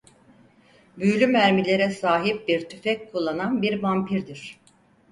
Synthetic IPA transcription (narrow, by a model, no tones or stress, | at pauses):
bylʲymæɾmilʲe̞ɾɛsaːɦip̚biɾt̪ʰyfɛckʰulˠːananbiɾbampʰiɾd̪iɾ̥